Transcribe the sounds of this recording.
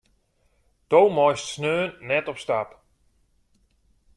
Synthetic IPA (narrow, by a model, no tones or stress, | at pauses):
d̥owmɔjstsnøːnːɛtɔpstap